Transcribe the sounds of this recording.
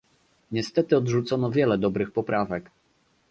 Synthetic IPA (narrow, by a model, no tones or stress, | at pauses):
ɲɛst̪ɛt̪ɘɔd̪ʐut̪sɔnɔvʲjɛlɛd̪ɔbɾɘxpɔpɾʔavɛk